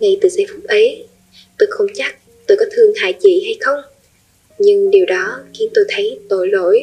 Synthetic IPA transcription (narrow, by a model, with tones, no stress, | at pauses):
ŋa˧jt̪ɨ̰˧˩za˧˦fu˦˥k͡p̚ʔə˨˦j | t̪o˧˩jxə˧wŋ͡mt͡ɕa˦˥k̚ | t̪o˧jkɔ˨˦t̪ʰɨ˧əŋha̰ː˧˨jt͡ɕḭ˧˨ha˧jxə˧wŋ͡m | ɲɨ˧ŋɗi˨˩əwɗɔ˨˦xi˨˦ənt̪o˧jt̪ʰə˨˦jt̪o̰˧˩jlo̰˧˨j